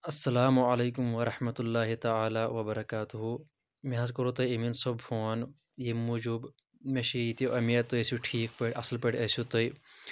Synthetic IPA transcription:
ɐsːɐlaːmuɐleːkumʋɐɾɐħmɐt̪ulːaːɦit̪ɐʕaːlaːʋɐbɐɾɐkaːt̪uɦu | mẽɦɐzkɐɾot̪ɐjɐminsobfoːn | jemud͡ʒub | meʃiit̪iʔɐmijɐt̪ːoesuʈʰiːk̚pɐʈʲɐsɐlpɐʈɐsut̪oj

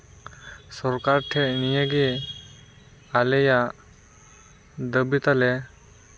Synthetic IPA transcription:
sɔɾkaɾʈʰɛʔnijəɡi | alɛja | d̪əbit̪alɛ

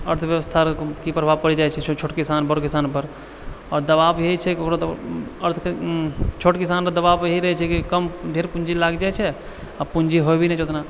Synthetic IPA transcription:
əɾt̪ʰʋjəʋəst̪ʰakipɾəbʱapəɽid͡ʒaɛt͡ʃʰɛt͡ʃʰoːʈkɪsanbəɾokɪsaːnpəɾ | ɔːɾd̪əbabjeit͡ʃʰɛkiokɾot̪əɾt̪ʰ | t͡ʃʰoʈkɪsaːnpəd̪əbabjəɦiɾəɦɛt͡ʃʰɛkikəmɖʱeɾpund͡ʒilaɡd͡ʒaɛt͡ʃʰɛ | apund͡ʒiɦoɛbinɛ̃t͡ʃʰot̪na

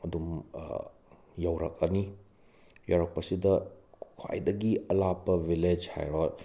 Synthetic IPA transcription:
ɐdum̰ | jɐwɾɐk̚ɐni | jawɾɐk̚pɐsidɐkʰwa̰jdɐɡiɐlapːɐbiled͡ʒha̰jɾot

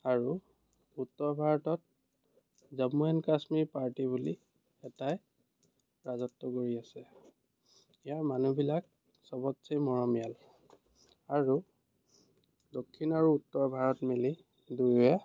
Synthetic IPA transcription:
aɹu | utːɔɹbʱaɹɔtɔt̚ | zamuɛnkasmiɹpaɹtibuli | ɛtaj | ɹazɔtːɔkoɹiasɛ | ijaɹmanubilak̚ | sɔbɔtsimɔɹɔmijal | aɹu | dokʰːinaɹuːtːɔɹbʱaɹɔtmili | dujja

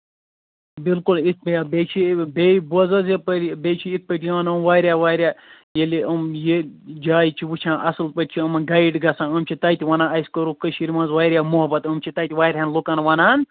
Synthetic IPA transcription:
bilkulit̪̚ʰbijabet͡ʃʰibebuɐzɐzepɐɾbet͡ʃʰiit̪̚pɐʈijaːnɐmʋaːɾʲjaʋaːɾʲjaː | jeliʔɐmjed͡ʒaːjt͡ʃʰiʋut͡ʃʰãːnʔɐsɨlpɐʈ̚ʲt͡ʃʰiɐmɐɡɐjɖɡɐsãːɐmt͡ʃʰit̪ɐjt̪ʲiʋɐnãːɐskɐɾukəʃiɾimɐnzʋaːɾʲjaːmuɦɐbɐt̪ɐmt͡ʃʰit̪ɐːjt̪ʲiʋaːɾʲɦɐnlokɐnʋɐnaːn

